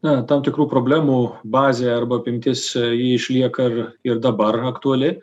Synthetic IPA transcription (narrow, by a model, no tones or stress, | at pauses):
nɐt̪ɐmt̪ʲɪkɾuːpɾoːbʲlʲæːmuːbɑːzʲeːɐrbɐɐpʲɪmʲt̪ʲɪsjiɪʃʲlʲiɛkɐɪrɪrd̪ɐbɐrɐkt̪uɐlʲɪ